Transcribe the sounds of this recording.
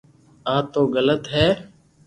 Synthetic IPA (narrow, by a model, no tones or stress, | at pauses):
aːt̪oːɣələt̪ɦɛː